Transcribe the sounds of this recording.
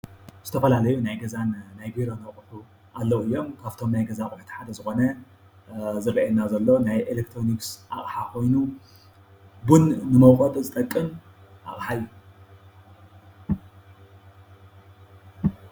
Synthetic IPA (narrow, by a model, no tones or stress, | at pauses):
z̥ɨt̪ʰɐfɐlalɐjunajɡɐzannajbiɾo̞nɐχʼħu | ʔalːɐwuɨjːo̞mkʰaβt̪ʰo̞mnajɡɐzakʼʊħt̪ʰi̥ħad̪ɐzɨxo̞nɐ | zɨɾɐʔɛnːazɐlːo̞najʔelekt̪ʰɾo̞niksʔa̰χʼħakʰo̞jnu | bunːɨmɐwxʼot̪ʼzɨt̪ʼɐkʼːɨm | ʔa̰χʼħajːu